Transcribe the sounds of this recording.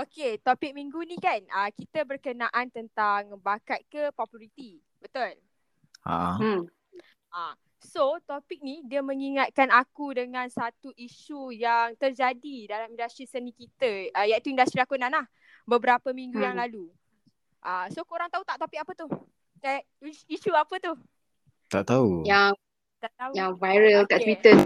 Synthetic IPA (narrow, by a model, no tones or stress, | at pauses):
oket̪opɪk̚mĩŋɡunikanəkit̪əbərkənaʔant̪ənt̪aŋbakat̪̚kəpɔpjuɾit̪i | bət̪ʊl | a̰m̩ | ʔa | sot̪opɪk̚nidiəmə̃ŋiŋat̪̚kanakudəŋãnsat̪uʔiʃujaŋt̪ərd͡ʒadidalamĩndast̪ɾisənĩkit̪əəjaʔit̪uindast̪ɾilakunãnlah | bəbəɾapəmĩŋɡujaŋlalu | ʔəsokoɾaŋt̪aut̪aʔt̪opik̚apət̪u | a | iʃuapət̪u | t̪aʔt̪auja | t̪aʔt̪aujaŋvajɾəllkaʔt̪wit̪ə